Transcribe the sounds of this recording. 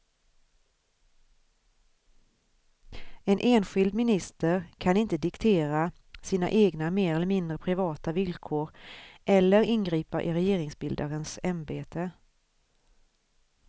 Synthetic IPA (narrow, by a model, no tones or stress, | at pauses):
ɛnʔeːnɧɪld̪mɪnɪst̪əɾkʰanɪnt̪əd̪ɪkt̪ʰeːɾa | siːna̰ʔeːɡnameːɾɛlːəɾmɪnd̪ɾəpʰɾɪvɑːt̪avɪlkʰoːɾʔɛlːəɾɪnɡɾiːpaʔɪɾɛjeːɾɪŋsbɪld̪aɾənsɛmbeːt̪ʰə